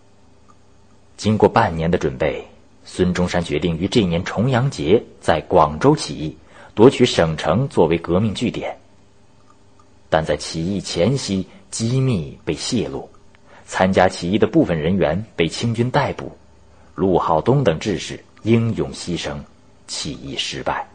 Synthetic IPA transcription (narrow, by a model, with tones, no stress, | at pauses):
t͡ɕi˥ŋkwɔ˥˧pa˥˩nnjɛ˧˥nd̪ə˧ʈ͡ʂwə̰˨˩npe˥˩ɪ | swə˥nʈ͡ʂʊ˥ŋʂa˥nt͡ɕɥɛ̰˧˥t̪i˥˩ŋy˧˥ʈ͡ʂɤ˥˩njɛ˧˥nʈ͡ʂʰʊ˧˥ŋjɑ˧˥ŋt͡ɕjɛ˧˥t͡sa˥˩ɪkwɑ˨˩ŋʈ͡ʂo˥ʊt͡ɕʰḭ˨˩i˥˩ | t̪wɔ˧˥t͡ɕʰy˧˥ʂɤ˨˩ŋʈ͡ʂʰɤ˧˥ŋt͡swɔ˥˩we˧˥ɪkɤ˧˥mi˥˧ŋt͡ɕy˥˩t̪jɛ̰˨˩˦n | t̪a˥˧nt͡sa˥˩ɪt͡ɕʰi˨˩i˥˩t͡ɕʰjɛ˧˥nɕi˥t͡ɕi˥mi˥˧pe˥˧ɪɕɛ˥˧lṵ˥˩ | t͡sʰa˥nt͡ɕja˥t͡ɕʰi˨˩i˥˩d̪ə˩pu˥˩fə˩nɻə˧˥nɥɛ˧˥npe˥˩ɪt͡ɕʰi˥ŋt͡ɕy˥nt̪a˥˧ɪpṵ˨˩˦ | lu˥˧xɑ˥˩ʊt̪ʊ˥ŋt̪ɤ˨˩ŋʈ͡ʂɻ̩˥˧ʂɻ̩˨˩ | ji˥ŋjʊ˨˩ŋɕi˥ʂɤ˥ŋ | t͡ɕʰi˨˩ḭ˥˩ʂɻ̩˧˥pa̰˥˩ɪ